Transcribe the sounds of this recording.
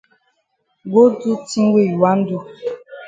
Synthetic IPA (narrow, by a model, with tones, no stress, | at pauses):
ɡo˦du˦tĩ˦we˦˨ju˨a˦n̩˦du˦˨